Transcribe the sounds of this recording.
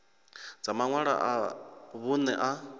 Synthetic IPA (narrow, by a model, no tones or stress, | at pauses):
d͡zamaŋwaɺa̰ʔaβunɛʔa